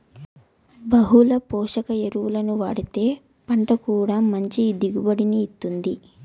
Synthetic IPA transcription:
bɐɦulɐpɔːʂɐkɐeɾuʋulɐnuʋaːɽit̪e̞ː | pɐɳʈɐkuːɽaːmɐɲt͡ʃid̪iɡubɐɽiniːt̪ːund̪i

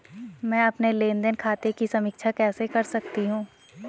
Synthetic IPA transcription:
mɛ̃ːɐpnelẽːnd̪ənkʰaːt̪ekisɐmɪkʃʰakɛːsekɐɾsɐkt̪iɦũː

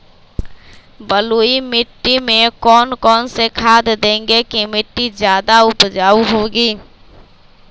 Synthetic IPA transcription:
bəluːimɪʈːimẽkɔːnkɔːnsekʰaːd̪d̪ẽːŋɡekimɪʈːizjaːd̪aʊpd͡ʒaːuɦoːɡiː

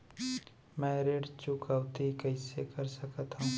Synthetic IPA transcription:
mɛ̃ːɾeːɖt͡ʃʊkaʋt̪ikɐɪsekɐɾsəkət̪ɦũː

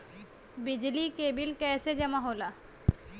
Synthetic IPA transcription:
bɪd͡ʒlikeːbilkɛːsed͡ʒɐmaɦola

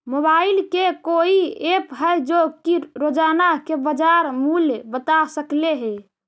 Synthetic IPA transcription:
mobailkekoiepɦəjd͡ʒokiɾod͡ʒanakebəd͡ʒaɾmulbət̪asəkleɦe

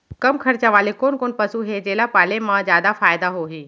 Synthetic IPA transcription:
kɐmkʰɐɾt͡ɕaʋaːlekoːnkoːnpɐsuɦed͡ʑeːlaːpaːlemãzjaːd̪afaːɪd̪aɦoːɦeː

